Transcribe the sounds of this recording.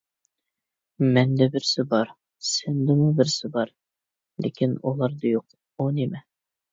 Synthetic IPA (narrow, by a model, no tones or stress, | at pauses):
mɛnd̪ɛbɪɾsɪbɑɾ | sɪnd̪ɪmʊbɪɾsɪbɑɾ | lʔḛkʲinulˠɑɾd̪ɑjoq̚ | onimɛ